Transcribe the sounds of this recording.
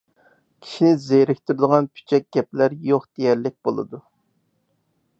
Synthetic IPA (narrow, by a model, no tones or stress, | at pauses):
kʲʰi̥ʃinɪzeɾɪkʲt̪yɾɪd̪əʁɑnpʰy̥t͡ʃʰɛk̚ʲɡ̥ʲɛplæɾjoχd̪̥ejɛɾlɪk̚ʲbolˠɨ̰d̪u